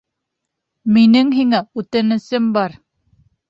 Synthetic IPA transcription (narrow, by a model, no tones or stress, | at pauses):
minɘŋɦiŋæʉt̪ɘ̆nɘ̆sɘmbɑɾ